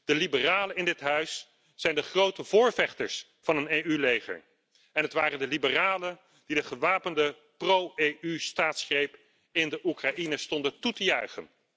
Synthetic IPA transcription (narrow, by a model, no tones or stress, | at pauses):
d̥əlibəraːləɪndɪtɦœɥs | z̥ɛjndəχrowtəvʊːɹvɛχtəɹs | fɑnənejylejχə̰ɹ | ɛnɦətʋaːrəndəlibəraːlən | d̥idəχəʋaːpəndə | prowejʔystaːtsχrejp | ɪndəʔukraʔinəstɔndəntutəjœɥχə̰n